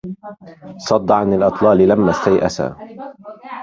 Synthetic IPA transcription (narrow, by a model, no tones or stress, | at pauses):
sˤɑd̪ˤːɑʕanalʔɨt̪ˤlɑːlɪlamːast̪ajʔa̰sa̰ː